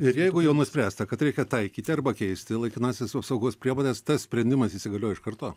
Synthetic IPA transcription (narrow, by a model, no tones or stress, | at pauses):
ɪɾjɛɪɡʊjɛʊnʊsʲpʲɾʲæːst̪ɐkɐt̪ɾʲɛɪkʲɛt̪ɐɪkʲiːt̪ʲɪɐrbɐkʲɛɪsʲt̪ʲɪlˠɐɪkʲɪnɑːsʲesɐpsɐʊɡoːspʲɾʲiɛʋoːd̪ʲɛst̪ɐssʲpʲɾʲɛnʲd̪ʲɪmɐsisʲɪɡɐlʲoːjɪʃkɐrt̪oː